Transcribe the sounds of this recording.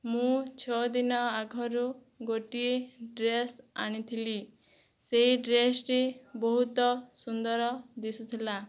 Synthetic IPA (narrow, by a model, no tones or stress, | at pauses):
mũt͡ʃʰɔd̪inɔaɡʱɔɾu | ɡoʈieɖɾesaɽ̃it̪ʰili | seɦiɖɾesɾebɔɦut̪ɔsund̪ɔɾɔd̪isut̪ʰila